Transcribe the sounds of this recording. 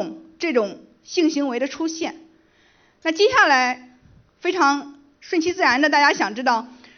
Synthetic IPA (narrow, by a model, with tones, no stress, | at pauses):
ŋʈ͡ʂɤ˥˩ʈ͡ʂʊ˨˩˦ŋ | ɕi˥˩ŋɕi˧˥ŋwe˧˥ɪd̪ə˧ʈ͡ʂʰu˥ɕjɛ˥˩n | na˥˩t͡ɕjɛ˥ɕja˥˩la˧˥ɪ | fe˥ɪʈ͡ʂʰɑ˧˥ŋ | ʂwə˥˧nɕi˥t͡sɹ̩˥˩ɻa˧˥nd̪ə˧t̪a˥˧˩t͡ɕja˥ɕjɑ˨˩ŋʈ͡ʂɻ̩˥t̪ɑ˥˩ʊ